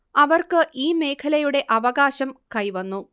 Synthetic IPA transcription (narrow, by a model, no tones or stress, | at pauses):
ɐʋɐrkɨʔiːme̞ːkʰɐlɐjuɽe̞ʔɐʋɐɣaːɕɐmkɐjʋɐnːu